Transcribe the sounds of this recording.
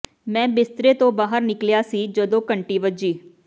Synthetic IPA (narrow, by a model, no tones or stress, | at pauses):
mɛ̃ːbɪst̪ɾeːt̪õːbaːɦəɾnɪkljaːsiːd͡ʒəd̪õːkəɳʈiːʋəd͡ʒiː